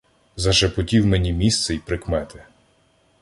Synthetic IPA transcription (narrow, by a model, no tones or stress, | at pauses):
zɐʃepɔtʲiwmenʲimʲist̪sɛipɾɪkmɛt̪ɪ